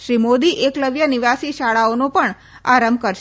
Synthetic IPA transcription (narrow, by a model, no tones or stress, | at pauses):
ʃɾimod̪iʔekləʋjəniʋasiʃaɭaonopəɳ | a̰ɾəmbkəɾʃ